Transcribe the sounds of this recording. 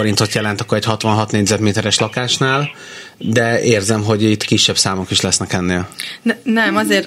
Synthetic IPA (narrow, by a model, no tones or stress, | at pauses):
oɾint̪o̞t̪jɛlɛnt̪ɒkːoɾɛchɒt̪ʋɒnɦɒt̪neːɟzɛd̪meːt̪ɛɾɛʃlɒkaːʃnaːl | d̪ɛeːrzɛmɦo̞ɟit̪ːkiʃːɛbsaːmo̞kiʃlɛsnɛkɛnːeːlnnɛmɒzeːr